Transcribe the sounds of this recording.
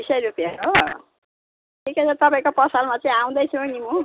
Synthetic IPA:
bisʌjɾupijʌo | tʰikesʌt̪ʌpaĩkopʌsalmat͡sãĩaw̃d̪ʌjt͡sʰʌnimu

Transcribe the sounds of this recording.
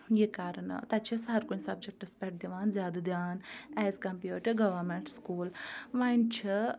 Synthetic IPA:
jekaːɾən̰t̪ɐt͡ʃʰisɐɦɐɾkunsɐb̚d͡ʒek̚ʈɨspʲɛʈ̚d̪iʋaːnzʲjaːd̪ɐd̪jaːnɛːzkɐmpjuːʈiɡɐʋɐɾmeɳʈskuːlʋɐnt͡ʃʰi

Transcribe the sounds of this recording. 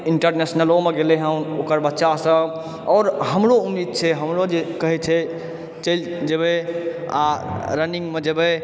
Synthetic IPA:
iɳʈəɾnesnəlomeɡeleɦəmokəɾbətːʃasə̃ | ɔːɾɦəmɾoumːid̪̚t͡ʃʰɛɦəmɾod͡ʒekəɦɛt͡ʃʰɛ | t͡ʃəld͡ʒəbe | a̰ɾəniŋɡmed͡ʒebe

